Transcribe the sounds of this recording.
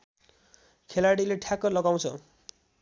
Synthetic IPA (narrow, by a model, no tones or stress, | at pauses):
kʰelaɽileʈʰakʌlʌɡaw̃t͡sʰʌ̰